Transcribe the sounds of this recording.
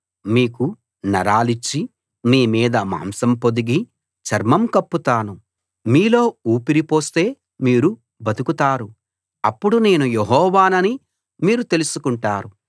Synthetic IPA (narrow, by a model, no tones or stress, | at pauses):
miːku | nɐɾaːlit͡ʃːi | miːmiːd̪ɐma̰ːmsɐmpo̞d̪iɡi | t͡ʃɐɾmɐmkɐpːut̪aːnu | miːlo̞ːuːpiɾipo̞ːst̪e̞ː | miːɾu | bɐt̪ukut̪aːɾu | ɐpːuɽune̞ːnujeɦɔːʋaːnɐni | miːɾut̪e̞lusukuɳʈaːɾu